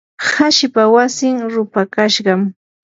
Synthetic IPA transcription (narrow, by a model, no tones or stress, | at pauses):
haʃɪpawasɪŋɾʊpakaʃɢɑm